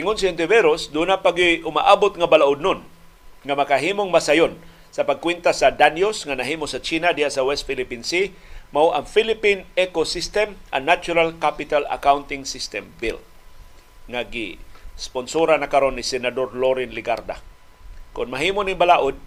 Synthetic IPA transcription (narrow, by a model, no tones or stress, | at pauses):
ɪŋʊnsɪɛnt̪ɪvɛɾosd̪unapaɡiʔʊma̰ʔabʊt̪ŋabalaʔʊd̪̚nʊn | ŋamakaɦiːmoŋmasajon | sɐpaɡ̚kwɛnt̪asad̪anjosŋanaɦiːmosat͡ʃiːnad̪ihasawɛst̪̚filɪpinsi | mawʔaŋfilɪpinɛkosist̪ɛmʔa̰ŋnːat͡ʃʊɾalkapɪt̪ala̰kawnt̪ɪŋsist̪ɛmbil | ŋaɡɪ̰sponsoɾanakaɾonːisɛnad̪orloɾɪnlɪɡaɾd̪a̰ | kʊnmaɦiːmonɪnbalaʔʊd̪̚